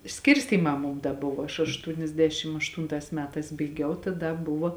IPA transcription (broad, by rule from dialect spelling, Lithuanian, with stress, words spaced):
ˈsʲkʲɪrʲsʲtʲiːmɑː ˈmʊm dɐ ˈbʊʋoː ɐʃ ɐʃtuːnʲɛzʲˈdʲæːʃʲɪm ɐʃˈtuːntɑːs ˈmʲæːtɑːs bɐɪˈɡʲɛʊ tɐ ˈdɐ ˈbʊʋoː